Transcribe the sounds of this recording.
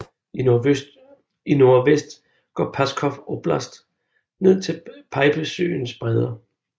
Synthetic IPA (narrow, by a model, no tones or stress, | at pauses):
i | ino̝ɐʋesd̥ | ɡ̥ɒ̰ːpʰæskʰɒfɔb̥læsd̥ | ne̝ð̞̰ˠt͡sʰe̝lpʰɑ̈ɪb̥əsø̰ːnsb̥ʁɛðˠɐ